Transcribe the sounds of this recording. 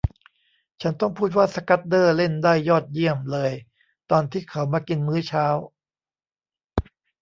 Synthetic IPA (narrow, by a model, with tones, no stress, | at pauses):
t͡ɕʰa˦˥nt̪ɔ˥˩ŋpʰuː˥˩t̪̚waː˥˩sa˧ka˦˥t̪̚dɤː˥˩le˥˩ndaː˥˩jːɔː˥˩t̪̚ji˥˩əmlɤː˧j | t̪ɔː˧nt̪ʰiː˥˩kʰa˩˦wmaː˧ki˧nmɯː˦˥t͡ɕʰaː˦˥w